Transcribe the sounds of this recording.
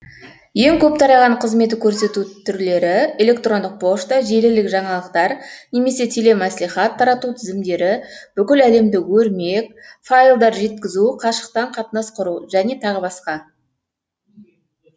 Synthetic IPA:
je̞ŋkʲʰɵp̚t̪ʰɑɾɑʁɑɴqʰəzmet̪ɪkʲʰɵɾse̞t̪ut̪ʰːʏɾle̞ɾɪe̞lʲe̞kt̪ro̞nd̪əq̚pʰo̞ʃt̪ɑʒe̞lɪlɪkʒɑɴɑlˠəq̚t̪ɑɾne̞me̞se̞t̪ʰe̞le̞mæsliχɑt̪ʰːɑɾɑt̪ut̪ʰɪzɪmd̪e̞ɾɪb̥ʏkʲɪlæle̞md̪ɪwɵɾme̞k̚ʲfajlˠd̪ɑɾʒe̞t̪kʲɪzuqʰɑʃə̥q̚t̪ɑɴqʰɑt̪nɑsqʰʊɾuʒæne̞t̪ʰɑʁəbɑsqɑ

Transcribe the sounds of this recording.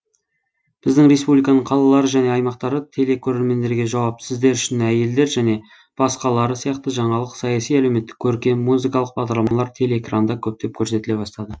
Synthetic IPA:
b̥ɪzd̪ɪŋɾe̞spublijkɑnəɴqʰɑlˠɑlˠɑɾəʒæne̞ɑjmɑqt̪ɑɾət̪ʰe̞le̞kʲʰɵɾe̞ɾme̞nd̪e̞ɾɡʲe̞ʒɑwɑpsɪzd̪e̞ɾʏʃɪnæje̞ld̪e̞ɾʒæne̞ | b̥ɑsqɑlˠɑɾəsijɑqt̪əʒɑɴɑlˠəqsɑjɑsijælewme̞t̪ːɪ̥kʲʰːɵɾkʲe̞nmuzikɑlˠəq̚b̥ɑʁd̪ɑɾlˠɑmɑmɑlˠɑɾt̪ʰe̞leːkrand̪ɑkʲʰɵp̚t̪e̞p̚kʲʰɵɾse̞t̪ɪle̞bɑst̪ɑd̪ə

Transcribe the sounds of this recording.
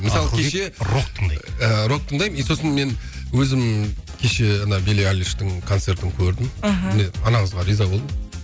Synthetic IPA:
mɪsɑlˠəkʰeʃe̞ɾok̪ʰːəɴd̪jəɾo̞tt̪ːəɴd̪ɑjmijso̞sənme̞nwɵzɪmkʲʰe̞ʃe̞ɑnɑbelealʲiʃt̪ɪŋkʰo̞nt̪se̞ɾt̪ɪŋkʲʰɵɾd̪ɪmmɪne̞ɑnɑɴəzʁɑɾijzɑbold̪ə

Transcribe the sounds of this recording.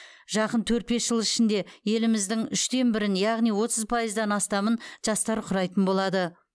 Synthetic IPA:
ʒɑqənt̪ʰɵɾt̪̚be̞sʒ̥əlˠɪʃɪnd̪e̞je̞lɪmɪzd̪ɪŋʏʃt̪e̞nbɪɾɪnjɑʁnijwo̞t̪əzpʰɑjəzd̪ɑnɑst̪ɑmənʒ̥ɑst̪ɑɾqʰʊɾɑjt̪ənbo̞lˠɑd̪ə

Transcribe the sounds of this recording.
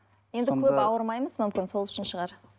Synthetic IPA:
je̞nd̪ɪkʲʰɵpɑwəɾmɑjməzmʏmkʲɪnso̞lˠʏʃɪnʃəʁɑɾ

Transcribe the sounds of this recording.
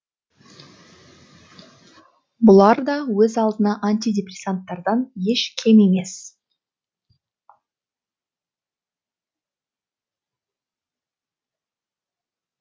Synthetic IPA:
bʊlˠɑɾd̪ɑwɵzɑlˠd̪ənɑʔanʲt̪ʲid̪ʲe̞prʲesant̪ːɑɾd̪ɑnje̞ʃkʲʰe̞me̞me̞s

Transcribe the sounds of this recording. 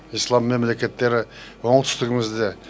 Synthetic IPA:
ijslˠɑmːe̞mle̞kʲe̞t̪ːe̞ɾɪwoɴət̪ʰʏ̥st̪ɪɡʲɪmɪzd̪e̞

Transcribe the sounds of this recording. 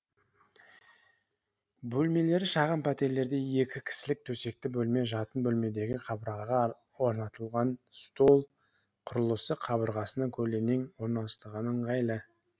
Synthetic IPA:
bɵlme̞le̞ɾɪʃɑʁəmpʰæt̪e̞ɾle̞ɾd̪e̞je̞kʲɪkʲʰɪ̥sɪlɪk̚t̪ʰɵse̞k̚t̪ɪbɵlme̞ʒɑt̪ənbɵlme̞d̪e̞ɡʲɪqʰɑbʁɑʁɑ | wo̞ɾnɑt̪əlˠʁɑnst̪o̞lˠ | qʰʊɾəlˠəsəqʰːɑbəɾʁɑsənəkʲʰɵle̞neŋwo̞ɾnɑlˠəst̪əʁɑnəɴqʰɑjlˠə

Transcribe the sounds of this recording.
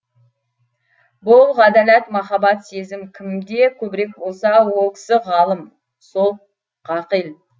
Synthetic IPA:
bʊlˠʁɑd̪ælæt̪mɑχɑbɑt̪se̞zɪmkʲʰɪmd̪e̞kʲʰɵbɪɾe̞k̚bo̞lˠsɑwo̞lˠkʲʰɪ̥sɪʁɑlˠəm | so̞lˠ | qʰɑqəjlˠ

